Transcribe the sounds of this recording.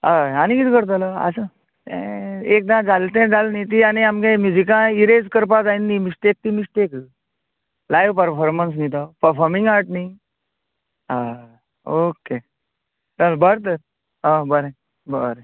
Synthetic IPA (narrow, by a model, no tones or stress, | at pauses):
aañikit̪kəɾt̪̬alaa̰sə | eek̚d̪ãd͡zalt̪ɛ̃d͡zalnit̪̬ianiamkẽmjud͡ʑikãiɾed͡zkəɾpad͡zainːimiʂʈek̚t̪imisʈek | lajʋpəɾfɔɾməns̬nit̪awpəɾfɔɾmĩŋɡaɾʈni | a | oke | talbəɾt̪̬əɾ | ãbəɾẽ | bəɾe